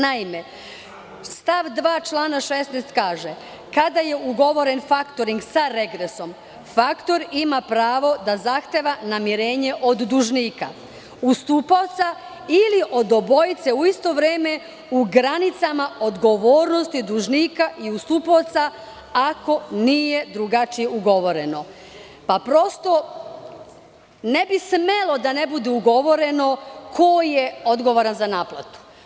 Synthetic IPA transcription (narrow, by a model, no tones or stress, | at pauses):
naime̞ | st̪aʋd̪ʋaːt͡ʃlˠaːnaʃesnejst̪kaːʒe | kad̪aje̞uɡo̞ʋo̞ɾe̞nfakt̪oɾiŋɡsaɾe̞ɡɾeso̞m | fakt̪o̞ɾimapɾaːʋo̞d̪azaxt̪eːʋanamiɾe̞ːɲe̞ʔo̞d̪ːuʒniːka̰ | ust̪uːpaot̪sa | iliʔo̞d̪obo̞jit̪seuist̪o̞ʋɾeːme̞ | uɡɾanit̪samao̞d̪ɡo̞ʋoːɾno̞st̪id̪uʒniːkaʔiust̪uːpoːt̪sa | ako̞niːjed̪ɾuɡat͡ʃijeuɡo̞ʋo̞ɾeno̞ | papɾo̞st̪o̞ | ne̞bismelˠo̞d̪anebud̪euɡo̞ʋo̞ɾe̞no̞kʰojeod̪ɡo̞ʋoɾanzanaːplˠa̰t̪u̥